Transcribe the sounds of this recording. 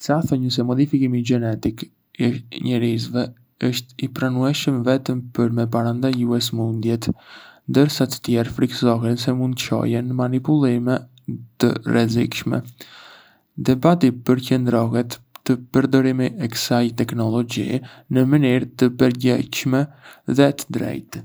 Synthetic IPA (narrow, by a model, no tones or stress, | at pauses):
saθɔɲəs̬ɛmɔd̪ifikimiɡɛnɛt̪ik | iʃɲɛɾizvɛ | əʃt̪ipɾanuɛʃəmvɛt̪əmpəɾmɛp̬aɾand̪ajuɛsmund̪jɛt̪nd̪əɾsat̪ə̥t̪jɛɾfɾiksɔɦɛnsɛmund̪ət͡ʃɔ̰jɛnmanipulˠimɛ | t̪ə̰rɛzikʃmɛ̰ | d̪ɛbat̪ipəɾcənd̪ɾɔɦɛt̪ːəpəɾd̪ɔɾimiʔɛkə̥sajt̪ɛknɔlɔɟḭnəməniɾt̪əpəɾɟɛ̰cʃmɛðɛt̪ə̥d̪ɾɛ̰jt̪